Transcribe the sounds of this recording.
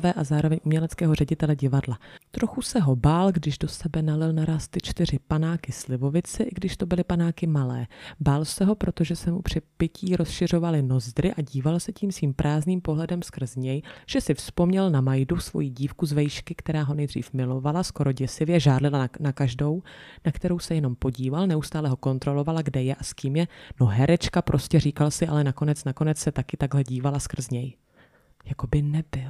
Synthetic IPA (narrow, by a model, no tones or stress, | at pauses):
vɛːʔazaːɾo̞vɛɲumɲɛlɛt͡skɛːɦo̞rɛɟɪt̪ɛlɛɟɪvadlat̪ɾo̞xusɛɦo̞baːlɡdɪʒdo̞sɛbɛnalɪlnaɾaːst̪ɪt͡ʃt̪ɪr̝ɪpanaːkɪslɪvo̞vɪt͡sɛʔɪɡdɪʃt̪o̞bɪlɪpanaːkɪmalɛ̰ːbaːlsɛɦo̞pɾo̞t̪o̞ʒɛsɛmupr̝̥ɪpɪciːɾʔo̞sʃɪr̝o̞valɪno̞zd̪ɾɪʔaɟiːvalsɛciːmsviːmpɾʔaːzniːmpo̞ɦlɛdɛmskr̩zɲɛjʒ̥ɛsɪfspo̞mɲɛlnamajdusvo̞̰jiːɟiːfkuzvɛjʃkɪkt̪ɛɾaːɦo̞nɛjd̪r̝ḭːfmɪlo̞valasko̞ɾo̞ɟɛsɪvjɛʒaːɾlɪlanakaʒdo̞wnakt̪ɛɾo̞wsɛjɛno̞mpo̞ɟiːvalnɛʔust̪aːlɛɦo̞ko̞nt̪ɾo̞lo̞valaɡdɛjɛʔaskiːmjɛno̞ɦɛɾɛt͡ʃkapɾʔo̞scɛr̝iːkalsɪʔalɛnako̞nɛt͡snako̞nɛt͡ssɛt̪akɪt̪aɡɦlɛɟiːvalaskr̩zɲɛj | jako̞bɪnɛbɪl